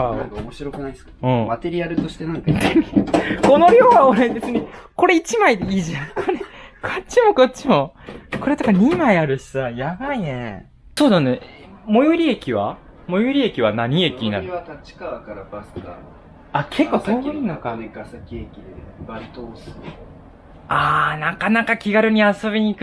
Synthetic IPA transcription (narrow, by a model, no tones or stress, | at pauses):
aãŋkaomoɕiɾo̞kɯ̟naisɨ̥kaɯ̃ːmat̪e̞ɾʲiaɾɯ̟t̪o̞ɕi̥t̪e̞nãŋkat̪eiko̞no̞ɾʲo̞ːɡaoɾed̪et͡sɨɲ̟ʲiko̞ɾe̞it͡ɕimaid̪eiːʑãkʰoɾekʰot͡ɕːimo̞ko̞tt͡ɕːimo̞ko̞ɾe̞t̪okaɲ̟imaiaɾɯ̟ɕi̥sajaɡainẽ | so̞ːd̪ane | mo̞jɯɾʲiekʲiβa̰ | mo̞joɾʲie̞kʲiβ̞anaɲ̟iekʲiɲina̰ɾat̪at͡ɕi̥kaβakaɾabasɨ̥ka | akʰekːoːt̪onokaasakʲiekʲid̪ebait̪osɨ̥ | aːnakanakakʲiɡaɾɯ̟ɲ̟iaso̞bʲiɲ̟iːk